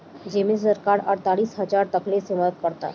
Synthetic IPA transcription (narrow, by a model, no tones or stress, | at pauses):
d͡ʑemissəɾkaɾə̰ɽt̪aɽiːsɦəd͡zaɾt̪əkleseməɾət̪̚pəɽt̪a̰